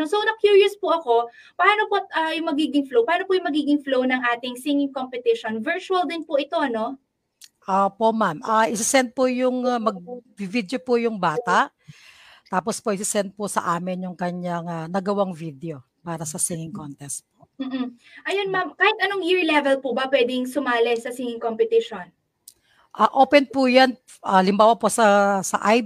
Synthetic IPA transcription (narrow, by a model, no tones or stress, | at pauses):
nosonɐkjuɹjʊspʊʔɐko̞ | pɐaːnopoʔɐjʊŋmɐɡiːɡɪŋflowpɐaːnopʊjʊŋmɐɡiːɡɪŋflownɐŋʔaːt̪ɪŋsɪŋɪŋkompɛt̪ɪʃonvɛɹt͡ʃuɐld̪ɪnpʊʔɪt̪o̞ʔɐno̞ | ʔopomamʔɐʔɪsɪsɛnt̪̚pojʊŋmɐɡ̚bivid̪jopʊjʊŋbaːt̪aʔ | t̪aːpospoʔɪsɪsɛnt̪̚pʊsɐ̰ʔaːmɪnjʊŋkɐɲjaŋanɐɡɐwaŋvid̪eo | paːɾɐsɐsiŋɪŋkont̪ɛst̪̚poʔm̩ː | ʔɐjonmamkaːhɪt̪ɐnoŋjiɹilɛvɛlpʊbɐpwɛd̪ɪŋsʊmaːlɐjsɐsiŋɪŋkompɛt̪iʃon | ʔɐːʔoːpɛnpujan | ʔɐlɪmbaːwɐposɐsɐ̰ʔaj